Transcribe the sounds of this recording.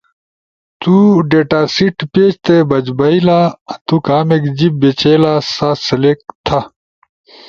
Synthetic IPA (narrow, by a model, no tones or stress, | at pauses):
t̪uɖeːʈaːsiʈpeːd͡ʑt̪ebɐd͡ʑbɐilaːt̪ukaːmekd͡ʑip̚bet͡ɕeːlaːsaːsɐlek̚t̪ʰa